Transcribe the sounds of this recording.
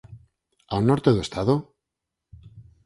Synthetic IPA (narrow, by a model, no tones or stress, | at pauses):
anoɾt̪eðwest̪aðo